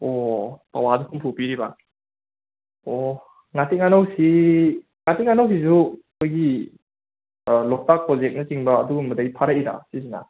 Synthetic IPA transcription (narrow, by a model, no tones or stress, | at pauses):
opa̰wadukʰumpʰupiɾiba̰ | o | ŋatiŋanawsi | ŋatiŋanaws̬is̬ukʰojɡi | lɔk̚tak̚pɾɔzek̚nɐt͡ʃiŋbɐːduɡumɐdajpʰaɾaiɾa̰sizina̰